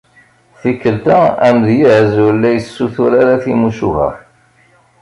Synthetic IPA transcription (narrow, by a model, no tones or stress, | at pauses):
θikːəlt̪ææmðjəʕzulːæjəsːuθʊɾaɾaθimuʃṵvə̰